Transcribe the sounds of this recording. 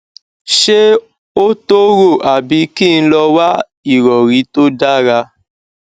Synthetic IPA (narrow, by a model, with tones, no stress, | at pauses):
ʃe˦ | o˦to˦ɾo˦˨ʔa˨bi˧ki˦˨n̩˦lɔ˧wa˦ | i˨ɾɔ˨ɾi˨˦to˦da˦ɾa˧